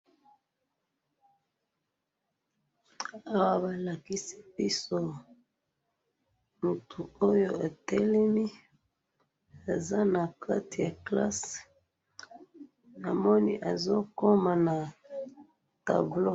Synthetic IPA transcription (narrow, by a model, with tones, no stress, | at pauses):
a˦wa˦ba˨la˨ki˦si̥˦pi˦so˦ | mu˨tʰu˨o˦jo˦˨a˨tɛ˦lɛ˦mi˦ | a˨za˦na˨kʰa˦ti˨ja˨kla̰˦s | na˨mɔ˦ni˦ʔa˨zo˦ko˦ma˨na˨ | ta̰˨blo˦